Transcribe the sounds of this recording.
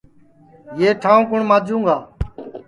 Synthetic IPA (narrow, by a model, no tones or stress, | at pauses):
jeːʈʰãːõːkʊɳmaːd͡ʒũːɡaː